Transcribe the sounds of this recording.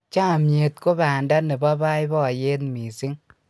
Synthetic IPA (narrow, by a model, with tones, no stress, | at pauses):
t͡ʃa˦˨mje˨t̚ko˦ba˨nda˦ne˨ba˦ba˦jbɔ˦˨je˦tmi˨si˦ŋ